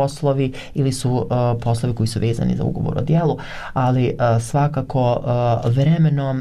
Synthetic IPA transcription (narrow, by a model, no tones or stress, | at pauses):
oslˠoʋi | ilisupo̞slˠo̞ʋiko̞jisuʋe̞ːza̰nḭza̰ṵɡo̞̰ʋo̰ɾo̰d̪jeːlˠu | alisʋakakʰo̞ʋɾemeno